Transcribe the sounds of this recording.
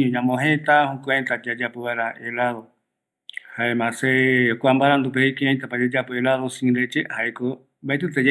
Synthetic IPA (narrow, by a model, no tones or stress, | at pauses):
ɲãmõɦẽt̪ahũkʷẽnt̪ad͡ʒad͡ʒapoβaeɾaelaðo | haemãsekʷambaɾand̪upeikeãjt̪apad͡ʒed͡ʒapoelaðosĩɾet͡ʃehaeko | baet̪̬ɨt̪ed͡ʒ